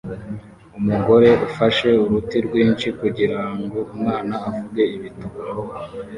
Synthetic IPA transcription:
umuɡo̞ɾe̞ufaʃe̞uɾutiɾɡwiːnt͡ʃikuɟiɾaŋɡo̞umŋaːnaːvubɡe̞iβituma

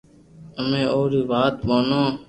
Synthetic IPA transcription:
əmẽːoːɾiːʋaːt̪̚ɓoːnãː

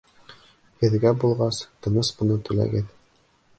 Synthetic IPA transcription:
hɘ̆ðɡæbulˠʁɑst̪ɤ̆nɤsbɤ̆nɤt̪ɵ̆læ̰ɡɘð

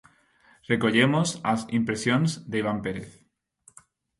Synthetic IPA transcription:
re̞ko̞ʎe̞mosasimpɾe̞sjo̞nzd̪eiβ̞ampe̞ɾeθ

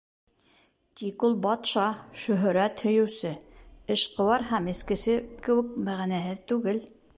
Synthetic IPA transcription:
t̪ʲikulˠbɑt̪ʃɑʃɵ̆ɦɵ̆ɾæt̪hɵ̆jɵ̆wsɘɘʃqŏwɑɾɦæmɘ̆skɘ̆sɘkɘ̆wɘ̆k̚mæʁænæɦɘðt̪ʉɡɘl

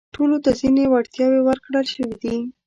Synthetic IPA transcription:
ʈolot̪azinewaɽt̪jɑwewəɾkɽəlʃəwid̪i

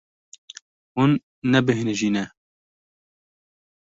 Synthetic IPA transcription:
hunː | ɛbɨɦɪnʒiːnɛ

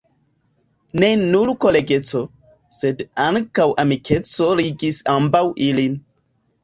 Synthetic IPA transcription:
ne̞nulkoleɡe̞t͡so̞ | se̞daŋkawʔamikʰe̞t͡so̞ɾiɡisambawʔilin

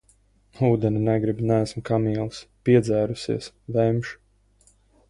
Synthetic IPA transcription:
uːd̪ɛninɛɡɾibʲnæːsmkamiɛlˠspiɛd̪zæːɾusḭɛs | vɛmʃ

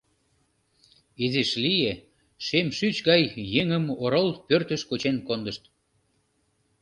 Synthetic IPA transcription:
ezeʃlije | ʃemʃyt͡ɕɣɑjːeŋəmoɾolpørt̪əʃkot͡ɕenkond̪əʃt̪

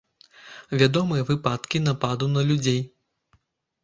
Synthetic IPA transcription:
vʲad̪ɔmɨjɐvɨpat̪kʲin̪apad̪unɐlʲud͡zʲej

